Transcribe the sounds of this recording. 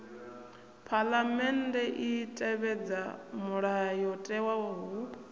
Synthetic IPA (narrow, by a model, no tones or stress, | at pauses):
pʰalamɛndʼɛʔitʼɛβɛd͡zamuɺajɔtʼɛwawɔɦɦu